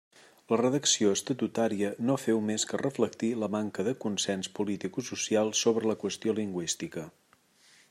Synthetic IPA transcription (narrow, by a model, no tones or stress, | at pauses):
lərəðəksioəst̪ət̪ut̪aɾiənofɛwmeskərəflək̚t̪iləmaŋkəðəkunsɛnspulit̪ikususialˠsoβɾələkwəst̪ioliŋɡwist̪ikə